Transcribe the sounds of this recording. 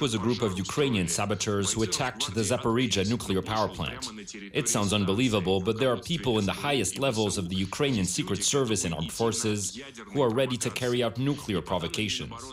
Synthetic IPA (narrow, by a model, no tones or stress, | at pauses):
twʌzɨɡɹupʌvjʉkʰɹ̥ẽɪ̃niɨ̃nsæbɨtʰə˞z̥huɨtʰæk̚ðɨzæpə˞id͡ʒɨnukʰliə˞pʰaʊə˞pʰl̥æ̰̃nt | ʔɨtsãʊ̃ndzʌ̃nbəlivəbl̩ˠbʌt̪̚ðə˞ːpʰipl̩ˠə̃nðəhaɪɨstˡlɛvl̩ˠzʌvðɨjʉkʰɹ̥ẽɪ̃niɨ̃nsikɹɨtsɜ˞vɨsɨ̃nə̰̃mfɔɹsɪz̥ | huə˞ɹɛɾiɾɨkʰɛɹiaʊtⁿnukʰliə˞pʰɹ̥ɑvəkʰeɪʃɨ̃n